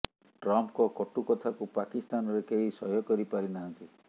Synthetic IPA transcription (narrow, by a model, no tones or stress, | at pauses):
ʈɾɔmpkɔkɔʈukɔt̪ʰakupakist̪anɔɾekeɦisɔɦjɔkɔɾipaɾinaɦɔnt̪i